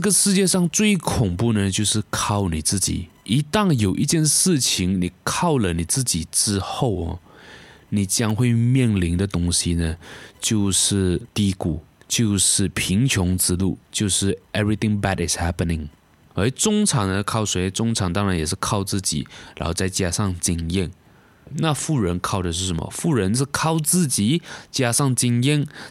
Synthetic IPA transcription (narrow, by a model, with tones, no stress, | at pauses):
ʈ͡ʂə˥˩ɡə˨ʂɻ̩˥˧t͡ɕjɛ˥˧ʂɑ˥˧ŋt͡swe˥˩ɪkʰʊ˨˩ŋpu˥˩nə˨t͡ɕjo˥˧ʊʂɻ̩˥˧kʰɑ˥˩ʊni˨˩t͡sɹ̩˥˩t͡ɕḭ˨˩˦i˧˥t̪ɑ˥˩ŋjo˨˩ʊʔi˥˧t͡ɕjɛ˥˧nʂɻ̩˥˩t͡ɕʰi˧˥ŋni˨˩kʰɑ˥˩ʊlə˨˩ni˨˩t͡sɹ̩˥˩t͡ɕi˨˩ʈ͡ʂɻ̩˥xo˥˩ʊ̰˨˩ | ni˨˩t͡ɕjɑ˥ŋxwe˥˧ɪmjɛ˥˩nli˧˥ŋd̪ə˧t̪ʊ˥ŋɕi˧nə˧t͡ɕjo˥˧ʊʂɻ̩˥˩t̪i˥ku˨˩ | t͡ɕjo˥˧ʊʂɻ̩˥˩pʰi˧˥ŋt͡ɕʰjʊ˧˥ŋt͡sɻ̩˥lu˥˩t͡ɕjo˥˧ʊʂɻ̩˥˩ɛ˥bɹi˧θɪ˧ŋba˨˩tɪ˨˩sha˥pə˨nɪ˨˩ŋ | ə˥˩t͡sʊ˥ŋʈ͡ʂʰɑ˨˥ŋnə˧kʰɑ˥˩ʊʂwe˧˥ɪt͡sʊ˥ŋʈ͡ʂʰɑ˧˥ŋt̪ɑ˥ŋɻa˧˥njɛ˨˩ʂɻ̩˥˧kʰɑ˥˧ʊt͡sɹ̩˥˩t͡ɕḭ˨˩˦ɻa˧˥xo˥˧t͡sa˥˧˩ɪt͡ɕja˥ʂɑ˥˧ŋt͡ɕi˥ŋjɛ˥˩n | na˥˧fu˥˩ɻə˧˥nkʰɑ˥˩ʊdə˨˩ʂ̬ɻ̩˥˩ʂə˧˦nmə̰˧fu˥˩ɻə˧˥nʂ̬ɻ̩˥˧kʰɑ˥˧ʊt͡sɹ̩˥˩t͡ɕi˨˩t͡ɕja˥ʂɑ˥˧ŋt͡ɕi˥ŋjɛ˥˧n